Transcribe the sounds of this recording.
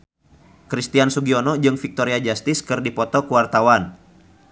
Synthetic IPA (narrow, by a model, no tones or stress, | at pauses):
kɾist̪iansuɡiɔnɔd͡ʒɨŋfik̚t̪ɔɾiad͡ʒast̪ɪskɨrdipɔt̪ɔkuwart̪awan